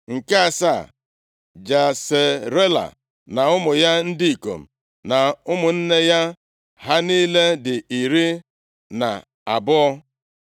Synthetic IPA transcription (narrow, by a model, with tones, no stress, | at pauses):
ŋ̩˨ka˦a˨sa˦˨ | d͡ʒa˨se˨ɾe˦la̰˨ | na˨ʊ˦mʊ˨ja˦n̩˦di˦i˨ko̰˨m̩˨ | na˨ʊ˦mʊ˨n̩˦ne˦ja˦ | ɦa˦niː˦le˦dɪ˨i˨ɾi˦ | na̰˨ | a˨bʊ˦ɔ˦